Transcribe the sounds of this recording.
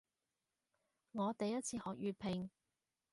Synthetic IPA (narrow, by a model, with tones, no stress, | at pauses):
ŋɔː˨˧t̪ɐ˨jɐ˥t̚t͡sʰiː˧hɔː˨k̚jyː˨˧pʰɪ˨ŋ